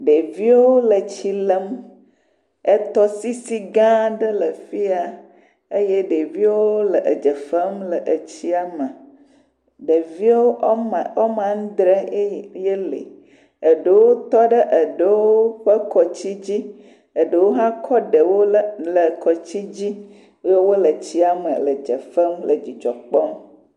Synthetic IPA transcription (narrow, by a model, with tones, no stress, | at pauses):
ɖe˨vi˦wo˦lə˨t͡ɕi˨lə˦m | ə˦t̪ɔ˦si˦si˦ɡã˦ɖə˦lə˨fi˦a˨ | e˦je˦ɖe˨vi˦wo˦o˦lə˨ʔə˨d͡ʒə˨fə˦mlə˨ʔə˨t͡ɕi˦a˨mə˨ | ɖə˨vi˦wo˦˨wo˦mã˦n˦d̪ɾə˦je˦lḛ˨ | ə˨ɖə˨˦wo˦t̪ɔ˦ɖə˦ʔə˨ɖə˨wo˦ɸə˦kɔ˨t͡ɕi˦d͡ʑi˦ | ə˨ɖə˨wo˦ɦã˦kʰɔ˦ɖə˨wo˦lə˨kɔ˨t͡ɕi˦d͡ʑi˦ | je˦wo˦lə˨t͡ɕi˦a˨mə̰˨lə̰˨d͡ʒə˨fə˦mlə˨d͡ʑi˨d͡ʒɔ˨k͡pɔ˦m